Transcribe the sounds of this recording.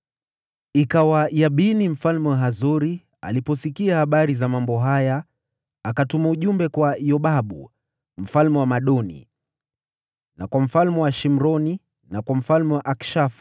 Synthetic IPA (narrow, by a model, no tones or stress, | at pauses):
ikawajaɓinim̩falmɛwaɦazɔɾi | a̰lipɔsikiahaɓaɾizamambɔɦajaː | katumauʄumbɛkwajɔɓaɓṵ | m̩falmɛwamaɗɔnḭ | nakwam̩falmɛwaʃim̩ɾɔni | nakwam̩falmɛwaʔakʃaf